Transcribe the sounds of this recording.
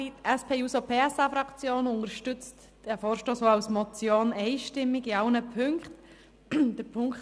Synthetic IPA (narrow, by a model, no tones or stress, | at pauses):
itɛspʰeːuːsopʰeːɛsafɾɑkt͡sjoːnʊntəɾʃtʏt͡st | d̥ɛfɔːɾʃtoːsoawsmɔt͡sjoːnɛɪʃtɪmːɪɡɪɑlnəpʰʏŋkt | d̥əɾpʰʊŋk